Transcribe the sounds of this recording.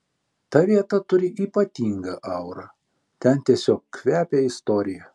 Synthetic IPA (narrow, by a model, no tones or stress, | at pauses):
t̪ɐʋʲiɛt̪ɐt̪ʊɾʲɪʔiːpɐt̪ʲiːŋɡɐʔɐʊɾɐ | t̪ʲɛnt̪ʲiɛsʲoːkkʋʲæːpʲeːɪst̪oːɾʲɪjɛ